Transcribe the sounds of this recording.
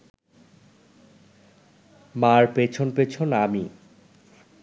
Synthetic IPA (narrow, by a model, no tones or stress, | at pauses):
maɾpet͡ɕʰonpet͡ɕʰonami